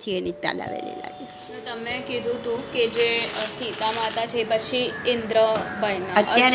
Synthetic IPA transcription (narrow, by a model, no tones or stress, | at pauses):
t̪ʰiənit̪ːa̰la̰ʋḛlḛla̰ɡit͡ʃʰnot̪əmekid̪ʱũt̪ũked͡ʒesit̪amat̪at͡ʃʰepət͡ʃʰiɪnd̪ɾəbəjnaətəja